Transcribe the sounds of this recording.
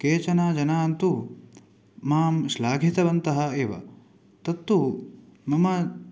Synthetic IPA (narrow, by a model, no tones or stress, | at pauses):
keːt͡ʃɐnaːd͡ʒɐnaːnt̪u | maːmʃlaːɡʱit̪ɐʋɐnt̪ɐɦɐ̆eːʋɐ̰ | t̪ɐt̪ːumɐmɐ